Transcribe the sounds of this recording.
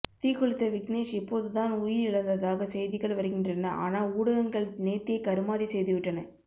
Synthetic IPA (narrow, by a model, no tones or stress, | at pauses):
t̪iːkːɔɭɪt̪ːɐʋɪkneːʂɪpːoːðɯt̪aːnʊjɪɾɪɭɐnd̪ɐðaːɣɐsɛjðɪɣɐɭʋɐɾɯɣɪndrɐnːɐʔa̰ːnaːuːɽɐɣɐŋɡɐɭneːt̪ːɪɐkɐɾɯmaːðisɛjðɯʋɪʈːɐnɐ